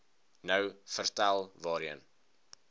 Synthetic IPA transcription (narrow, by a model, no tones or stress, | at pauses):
nəwfərtælˠvɑːɾiən